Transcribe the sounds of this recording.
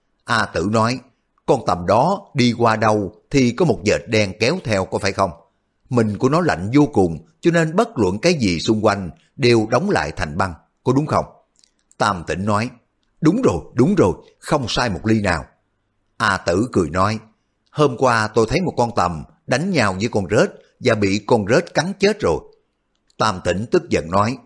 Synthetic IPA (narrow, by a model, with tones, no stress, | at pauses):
ʔaː˧t̪ɨ̰˧˩nɔ˨˦j | kɔ˧nt̪ə˨˩mɗɔ˨˦ɗi˧kwaː˧ɗə˧wt̪ʰi˨˩kɔ˨˦mo˨˩t̚zəː˨˩t̚ɗɛ˧ŋkɛ˨˦wt̪ʰɛ˧wkɔ˨˦faː˧˩jxə˧wŋ͡m | mï˨˩ŋ̟ku˧˩ənɔ˨˦la̰˧˨jŋ̟zo˧kʊ˨˩ŋ͡mt͡ɕɔ˧ne˧nɓə˦˥t̚lwə̰˧˨nkaː˨˦jzi˨˩sʊ˧ŋ͡mkwa˧jŋ̟ | ɗe˨˩wɗə˨˦wŋ͡mla̰ː˧˨jt̪ʰa˨˩jŋ̟ɓa˧ŋ | kɔ˨˦ɗʊ˨˦ŋ͡mxə˧wŋ͡m | t̪aː˧˩mt̪ḭ̈˧˩ŋ̟nɔ˨˦j | ɗʊ˨˦ŋ͡mzo˨˩jɗʊ˨˦ŋ͡mzo˨˩j | xə˧wŋ͡msaː˧jmo˨˩t̚li˧naː˨˩w | ʔaː˧t̪ɨ̰˧˩kɨ˨˩əjnɔ˨˦j | həː˧mkwaː˧t̪o˧jt̪ʰə˨˦jmo˨˩t̚kɔ˧nt̪ə˨˩m | ɗa˨˦jŋ̟ɲaː˧˩wvəː˨˦jkɔ˧˩nzə˦˥t̚ | vaː˨˩ɓḭ˧˨kɔ˧˩nzəː˦˥t̚ka˨˦ŋt͡ɕe˦˥t̚zo˨˩j | t̪aː˧˩mt̪ḭ̈˧˩ŋ̟t̪ɨ˦˥k̚zə̰˧˨nnɔ˨˦j